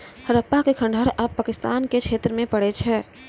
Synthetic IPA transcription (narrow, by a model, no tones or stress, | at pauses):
həɾəpːakekʰə̃ɳɖʱəɾəb̚paːkɪst̪aːnket͡ʃʰeːt̪ɾəmẽpəɽet͡ʃʰɛː